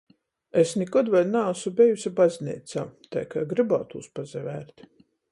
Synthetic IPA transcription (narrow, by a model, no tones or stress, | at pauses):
esnikɔd̪vajnaːsubʲɛjusʲibazʲnḭːt̪saːt̪a̰jkaːɡɾɨbawt̪uːspazɛvæːɾt̪